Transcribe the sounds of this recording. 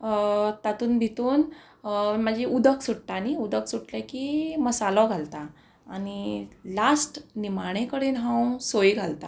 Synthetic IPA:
t̪at̪uːnb̪ʱit̪uːn | məd͡ʑiʔud̪əksuɽ̚t̪aniud̪əksuʈlakiməsalɔɡʱalt̪aː | nilasʈnimaɽ̃ẽkəɽiːnɦãw̃soiɡʱalt̪a̰

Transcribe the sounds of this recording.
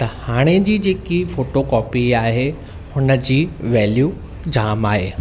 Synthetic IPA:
t̪ɐhaːɽ̃ed͡ʑiːd͡ʑeːkifoːʈokɔːpiaːɦe | hʊnə̆d͡ʑiːʋɛːljuː | d͡ʑaːmaːɦeː

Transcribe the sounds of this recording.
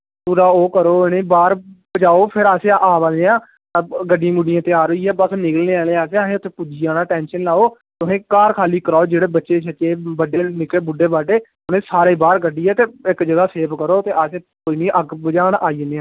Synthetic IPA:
puːɾaːoːkəɾoːnẽːbaːɾbəd͡ʒaːoːpʰɪɾaːseːʔaːbəleːãː | ɡəɖĩːmʊɖijãːt̪eːaːɾoːiːɛːbəsnɪkəlneːaːleːaːseːaːsẽːʊt̪ʰẽːpʊd͡ʒiːãːnaːʈɛːnʃənlaːoː | t̪ʊsẽːkaːɾkʰaːliːkəɾaːoːd͡ʒeːɽeːbətːʃeːt͡ʃʰət͡ʃeːbəɖeːnɪkeːbʊɖeːbaːɖeː | ʊnẽːsaːɾeːbaːɾɡəɖːiːɛːt̪eːɪkd͡ʒəɡaːseːpkəɾoːt̪eːaːseː | koːiːnĩːʔəɡbəd͡ʒaːɳaːiːneãː

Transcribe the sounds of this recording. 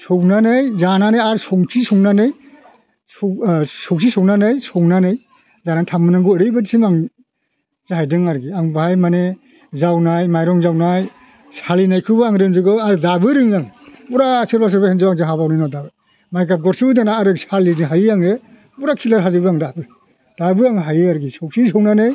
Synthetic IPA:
sɔŋnanɯjzananɯjaɾsɔŋsʰisɔŋnanɯj | sɔsɔŋsʰisɔwnanɯjsɔŋnanɯj | zanatʰamɯnaŋɡuəɾɯjbadisimaŋ | z̥aɦajdɯŋaɾɡiaŋbajmane | zawnajmajɾɔŋzawnaj | salinajkʰɯbaaŋɾɯnzɯɡɔaɾɯdabɯɾɯŋjaŋbuɾaselbas̬ɯɾbahenzawaŋzɯɦabawnɯjnɔdabɯ | majɡap̚ɡɔɾsɯbɯdanaːɾɯsalinɯɦajjaŋe | buɾakʰilaɾɦazɯbɯaŋdabɯ | d̥abɯaŋɦajɯaɾɡisɔksisɔŋnanɯj

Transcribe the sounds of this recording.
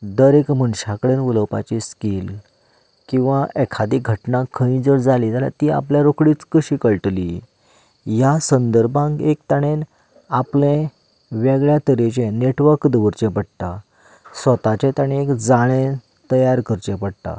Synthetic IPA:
d̪əɾekməɳɕakəɽenʋuləwpa̰t͡ɕiskiːl | kĩw̃ʋaʔɛkʰad̪iɡʱəʈnakʰəĩd͡zəɾd͡zalid͡zalja̰t̪ia̰pljaɾokɽiːt͡skəɕiːkəɭʈlḭ | jasənd̪əɾbãŋkek̚t̪aɽ̃en | aplẽ | ʋɛɡɭjat̪əɾet͡ɕẽneʈʋəɾkd̪əʋəɾt͡ɕẽpəɽt̪a | sʋət̪at͡ɕẽt̪aɽ̃ĩekd͡zaɭ̃ẽ | t̪əjaɾkəɾt͡ɕɛ̃pəɽt̪a̰

